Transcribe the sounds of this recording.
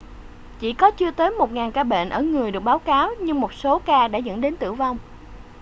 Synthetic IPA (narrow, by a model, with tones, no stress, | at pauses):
t͡ɕḭ˧˥kɔ˨˦t͡ɕɨ˧ət̪əː˨˦jmo˨˩t̚ŋaː˨˩nkaː˧ɓḛ˧˨nʔəː˧˩ŋɨ˨˩əjɗɨ˨˩ək̚ɓaː˨˦wkaː˨˦wɲɨ˧ŋmo˨˩t̚so˨˦kaː˧ɗa̰ː˧˥zə̰˧˥nɗe˨˦nt̪ɨ̰˧˩əwva˧wŋ͡m